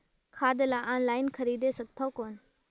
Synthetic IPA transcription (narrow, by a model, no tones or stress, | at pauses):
kʰaːd̪laʔaːnlaːɪnkʰɐɾiːd̪esɐɡ̚t̪ʰokoːn